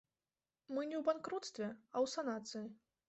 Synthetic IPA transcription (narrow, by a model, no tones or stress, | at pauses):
mɨnʲɛwbankɾut̪st̪vʲɛɐwsanat̪sɨji